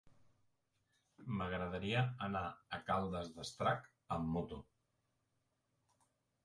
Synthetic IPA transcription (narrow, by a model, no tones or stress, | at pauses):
məɣɾəð̞əɾiəːnaəkalˠd̪əzðəst̪ɾak | əmːut̪u